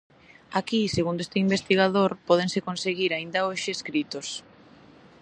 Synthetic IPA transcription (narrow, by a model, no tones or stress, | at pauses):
akiseɣund̪oest̪eimbest̪iɣaðoɾpɔð̞ensekonseɣiɾaind̪aoʃɪeskɾit̪os